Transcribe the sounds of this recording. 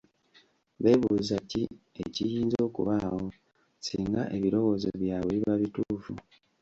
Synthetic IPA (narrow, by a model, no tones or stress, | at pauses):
βe̞ːβuːzaci | ḛcijiːnzo̞ːkṵβaho̞ | siŋɡa̰ʔe̞βiɾo̞wo̞zḛβjaβwiβaβituːfu